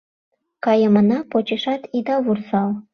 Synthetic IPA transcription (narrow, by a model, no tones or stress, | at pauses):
kɑjə̆mə̆nɑpot͡ɕiʃɑt̪id̪ɑβursɑlˠ